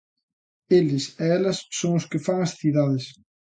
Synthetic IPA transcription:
elɪseɛlɐsːoŋʊskɪfaŋɐsθiðaðɪs

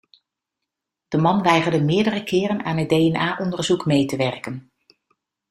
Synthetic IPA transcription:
d̥əmɑnʋɛjχəɹdəmɪːɹdərəkɪːrənaːnɦəd̚dejɛnaːʔɔndəɹzukmejtəʋɛrkən

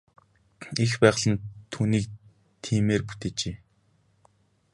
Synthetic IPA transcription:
expæːʁ̆ɮə̆nt̪ʰuːniːk̚ | t̪ʰiːmeːrput̪eːt͡ɕeː

